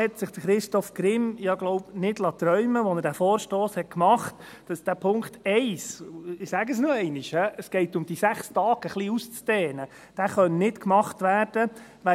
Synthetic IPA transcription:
ɛtsɪχd̥əχɾɪʃtɔfkɾɪmjɑɡlɔʊpnɪdlɑt̪ɾœʏməʋɔnəɾd̥æfɔːɾʃtoːshɛt̚kmɑχt | d̥ɑsd̥æːpʰʊŋktɛɪsɪsæːɡəsnuɛɪnɪʃhɛəsɡ̥ɛɪtʊmd̥isæχstɑːɡ̥əχliːust͡sd̥ɛːnə | d̥æːχœnnɪtkmɑχtʋæːɾd̥əʋɛ

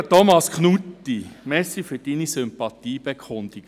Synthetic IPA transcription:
tɔmɑskχnutːimɛsifyd̥inisʏmpɑt̪iːb̥ekʰʊnd̪iɡ

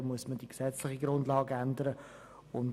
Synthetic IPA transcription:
muəsməd̥iksɛt͡slɪχiɡrʊndlɑːɡænd̪əɾə | ʊn

